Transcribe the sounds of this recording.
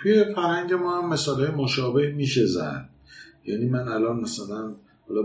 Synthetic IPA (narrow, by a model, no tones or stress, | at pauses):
t̪ʰuje̞fæɾhæŋɟe̞mɒːhæmːe̞sɒːlɒːjemoʃɒːbe̞hmiːʃe̞zæ̰d̪̥̚ | jæːniːmænælɒːnmæsælæn | hɒlɒ